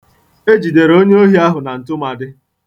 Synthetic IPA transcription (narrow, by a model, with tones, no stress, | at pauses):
e˦d͡ʒi˨de˨ɾo˦ɲe˦o˦ɦi˦a˦ɦʊ˨na˨n̩˨tʊ˦ma˨dɪ˦